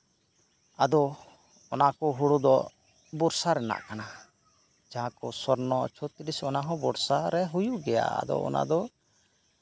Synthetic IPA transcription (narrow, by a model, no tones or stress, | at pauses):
ad̪ɔ | ɔnakɔɦuɽud̪ɔ | bɔɾsaɾɛna̰ʔkana | d͡ʒaɦãkɔsɔɾnɔt͡ʃʰɔt̪ɾisɔnaɦɔ̃bɔɾsaɾɛɦujuʔɡɛja̰a̰d̪ɔ̰ʔɔ̰na̰d̪ɔ